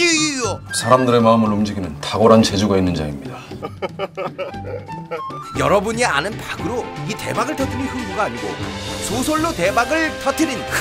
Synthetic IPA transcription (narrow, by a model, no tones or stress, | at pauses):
sʰaɾamdɯɾe̞maɯmɯɭomd͡ʑiɡinɯntaɡoɾant͡ɕe̞d͡ʑuɡainːɯnd͡ʑa̰imɲida | jʌɾʌbuɲianɯnpaɡɯɾoite̞̰baɡɯɭtʰʌtʰɯnɯnçuŋbuɡaːɲiɡosʰosʰoɭːote̞maɡɯɭtʰʌtʰɯnɯn